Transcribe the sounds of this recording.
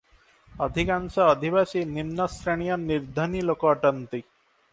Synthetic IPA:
ʌd̪ʱikansɐːd̪ʱiβasinimnɐsɾeɳ̃ijʌniɾd̪ʱɐnilokɔʈʌnt̪i

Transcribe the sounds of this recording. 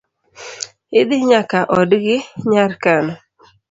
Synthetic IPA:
ɪd̪ɪɲakaʔɔdɡɪɲaɾkanɔ

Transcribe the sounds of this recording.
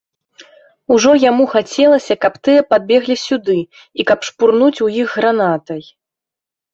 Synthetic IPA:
uʐɔjamuxat͡sʲɛlˠɐsʲɐkɐpt̪ɨjɐpad̪̚bʲɛɣlʲisʲud̪ɨ | ikɐpʂpurnut͡sʲujiɣːɾanat̪ɐj

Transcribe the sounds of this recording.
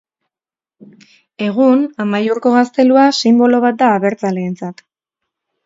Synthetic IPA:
e̞ɣ̞unamajuɾko̞ɣast̪e̞luasimbo̞lo̞β̞at̪̚d̪aːβe̞ɾt͡sale̞ːnt͡sat̪

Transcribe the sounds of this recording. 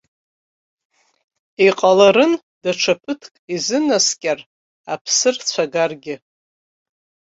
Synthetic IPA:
iqʼalaɾɨn | daʈ͡ʂʰapʰɨtʰkʼizɨnaskʲʼar | apʰsɨrt͡ɕʷʰaɡarɡʲɪ

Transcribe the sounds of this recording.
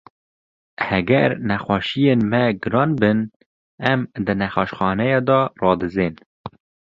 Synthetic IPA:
hɛɡɛɾnɛxʷɑʃijeːnmɛɡɨɾɑːnbɨn | ɛmd̪ɨnɛxɑʃxɑːnɛjɑd̪ɔrɑːd̪ɨzeːn

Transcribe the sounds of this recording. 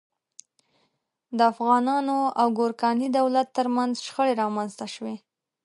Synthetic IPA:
d̪əafɣɑnɑnoawɡoɾkɑnid̪awlat̪ːəɾmanzʃxəɽeɾɑmanzt̪aʃwe

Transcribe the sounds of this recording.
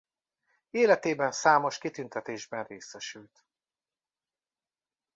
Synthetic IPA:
eːlɛt̪eːbɛnsaːmo̞ʃkit̪ynt̪ɛt̪eːʒbɛnreːsɛʃylt̪

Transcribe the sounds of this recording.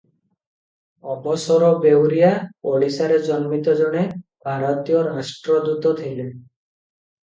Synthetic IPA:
ɔbɔsɔɾɔbewɾijapoɭisaɾed͡ʒɔnmit̪ɔd͡ʒɔɽ̃ebʱaɾɔt̪ijɔɾasʈɾɔd̪ut̪ɔt̪ʰile

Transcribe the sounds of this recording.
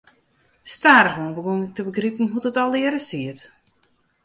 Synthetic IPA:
staːɾəɣunbəɡontəbəɡripən̩ɦutətɔlˠɪəɾəsiət

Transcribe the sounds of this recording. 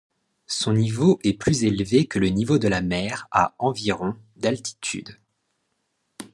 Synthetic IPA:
sɔ̃nivoʔɛplyzelvekələnivod̪əlamɛʁa̰ɑ̃viʁɔ̃ | d̪alt̪i̥t̪ʰy̰d̪

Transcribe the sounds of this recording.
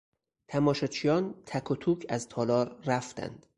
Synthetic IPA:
t̪ʰæmɒːʃɒt͡ʃʰijɒːnt̪ʰækʰot̪ʰuːcʰæzt̪ʰɒːlɒːɾːæft̪æ̰nd̪̥

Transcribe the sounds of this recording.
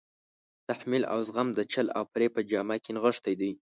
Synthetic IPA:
t̪aħmila̰wzɣamd̪ət͡ʃala̰wpɾepəd͡ʒɑmakenɣəʂt̪ajd̪əj

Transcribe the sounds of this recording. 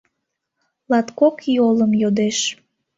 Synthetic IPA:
lɑt̪kokjoləmjod̪eʃ

